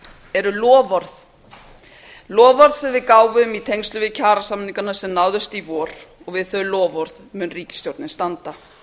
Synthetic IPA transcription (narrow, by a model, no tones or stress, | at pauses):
ɛɾʏlɔːvɔɾθ | lɔːvɔɾð̥sɛmvɪðkaːwvʏmit̪ʰejŋst̪lʏvɪcʰaːɾasamniŋkanːasɛmnaːwðʏst̪ivɔːɾ̥ɔɣvɪðθœlɔːvɔɾðmʏnriːcɪ̥st̪jowɾt̪nɪst̪ant̪a